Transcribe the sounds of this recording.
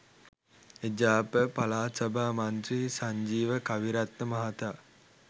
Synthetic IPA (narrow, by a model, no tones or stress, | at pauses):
ed͡ʒaːpəpalaːsabʱaːmant̪risaɲd͡ʒiːʋəkaʋiɾat̪nəmaɦat̪aː